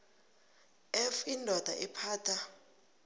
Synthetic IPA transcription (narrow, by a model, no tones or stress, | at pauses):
ɛfindʱɔd̥ʱa̰ʔɛpʰaːtʰa